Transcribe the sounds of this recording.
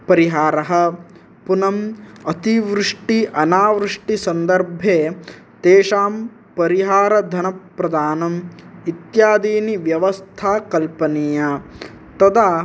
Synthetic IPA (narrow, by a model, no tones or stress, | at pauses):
pɐɾiɦaːɾɐɦɐ̆ | punɐmɐt̪iʋɾɪʂʈiʔɐnaːʋɾɨʂʈisɐnd̪ɐɾbʱeː | t̪eːʃaːm | pɐɾiɦaːɾɐd̪ʱɐnɐpɾɐd̪aːnɐmit̪jaːd̪iːniʋjɐʋɐst̪ʰaːkɐlpɐnija | t̪ɐd̪aː